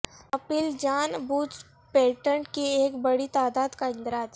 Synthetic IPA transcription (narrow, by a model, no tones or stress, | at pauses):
ɐpɪld͡ʒaːnbuːt͡ʃ | peːʈəɳkieːkbɐɽit̪aːd̪aːd̪kaɪ̃nd̪ɾaːd͡ʒ̪